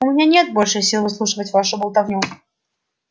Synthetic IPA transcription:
ʊmʲɪnʲanʲe̞t̪̚bo̞lʲʂɨsʲilˠvɨslˠuʂɨvətʲvaʂʊbəlˠt̪ɐvnʲu

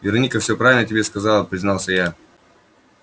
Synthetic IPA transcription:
vʲɪɾɐnʲikəfsʲopɾavʲɪlʲnətʲɪbʲeskɐzɑlˠəpɾʲɪznɑlˠsʲəja

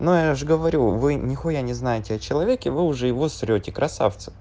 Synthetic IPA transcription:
nojaʐɨɡəvɐɾʲuvɨnʲɪxojanʲɪznajɪtʲɪɐt͡ɕɪlˠɐvʲekʲɪvɨʊʐɛjɪvo̞sɾʲotʲɪkɾɐsa̰ft̪sɨ̥

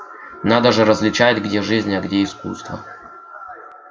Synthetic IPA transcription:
nad̪əʐɨɾəzʲvlʲɪt͡ɕatʲɡdʲeʐɨzʲnʲɐɡdʲeiskṵst̪və̰

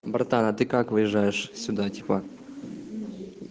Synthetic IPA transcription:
bərt̪anat̪ɨkakvɨjɛʐajeʂsʲud̪at̪ʲi̥pa

